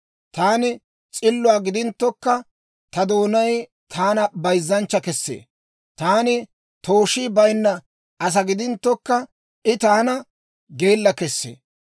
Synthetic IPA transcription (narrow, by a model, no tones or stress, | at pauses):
t̪aːnɪ | t͡sʼɪlːʊaːɡɪd̪ɪnt̪ːɔkːɐ | t̪ɐd̪oːnɐj | t̪ʰaːnɐbɐjzːɐnt͡ʃːɐkɛsːḛː | t̪aːnɪ | t̪o̞ːʃibɐjnːɐ | ʔɐs̬ɐɡɪd̪ɪnt̪ːɔkːɐ | ʔɪt̪aːnɐ | ɡeːlːɐkɛsːḛː